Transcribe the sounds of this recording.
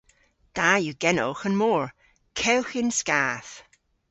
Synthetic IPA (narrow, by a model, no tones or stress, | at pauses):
d̥ajuːɡ̥ɛno̰ːxənmɔːɹ | kʰɛwxɪnskaːθ